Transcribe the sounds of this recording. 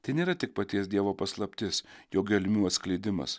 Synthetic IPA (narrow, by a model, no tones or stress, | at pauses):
t̪ɐɪnʲeːɾɐt̪ʲɪk̚pɐt̪ʲiɛsd̪ʲiɛʋoːpɐslˠɐpʲt̪ʲɪsjoːɡʲɛlʲmʲuːɐt̪sklʲɛɪd̪ʲɪmɐ̰s